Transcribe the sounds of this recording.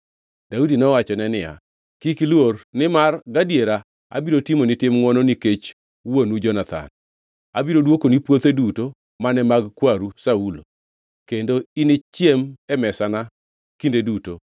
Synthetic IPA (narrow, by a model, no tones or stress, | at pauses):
d̥audinɔwat͡ʃɔnɛnɪja̰ | kiklwornɪmarɡadjeɾa | a̰biɾotimonɪtɪmŋɔnoniket͡ʃ | wonud͡ʒɔnat̪ʰa̰n | abiɾodwokonipwot̪eduto | manɛmaɡkwaɾusaulo̰ | kendoinɪt͡ʃjemɛmɛsana | kindeduto